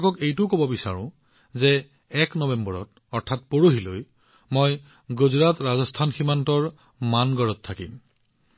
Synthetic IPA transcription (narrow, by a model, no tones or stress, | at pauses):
kɔkejtʊkobɔbisa̰ɹʊ̰̃ | zɛ | ɛknɔbɛmbɔɹɔ̰t | ɔɹtʰat̚poɹoɦiloj | moj | ɡuzɹatɹazɔstʰanximantɔɹ | manɡɔɹɔtʰːakḭm